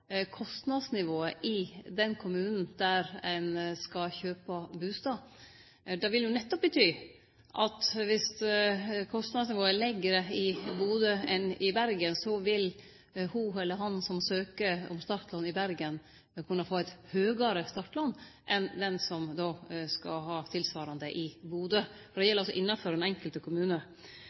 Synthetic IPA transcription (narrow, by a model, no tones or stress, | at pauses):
kʰɔst̪nɑd̪snɪʋoːəʔɪd̪ɛnkʰʊmʉːnn̩d̪æɾæɪnskɑçøːpɑbʉːst̪ɑː | d̪ɑʋɪljʊnɛt̪ːɔp̚bət̪ʰyː | ʔɑt̪ʋɪs | kʰɔst̪nɑd̪snɪʋoːəlɛɡəɾəɪbuːd̪əɛnɪbæɾɡənsɔʋɪl | huɛlːəɾɦɑnsɔmsøːkəɔ̰mst̪ɑʈ̪lɑnːɪbæɾɡən | kʰʉnːɑfoːɛɪt̪høːɡɑɾəst̪ɑʈːlɑnː | ʔɛnd̪ɛnsɔmd̪oːskɑ̰ɦɑːt̪ʰɪlsʋɑːɾɑnd̪əʔɪbuːd̪əfɔd̪ɛjɛləɾɔsɔ̰ʔɪnːɑfɔɾɛnɛŋkəlt̪əkʰʊmʉːnə